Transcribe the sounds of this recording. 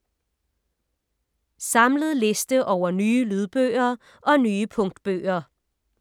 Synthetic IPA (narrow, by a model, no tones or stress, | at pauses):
sɑ̈mləð̞̩ˠle̝sd̥əʔɒʊɐnyːəlyð̞ˠb̥ø̰ːɐ | ʔɒ̽nyːəpʰɔ̽ŋ̰d̥b̥ø̰ːɐ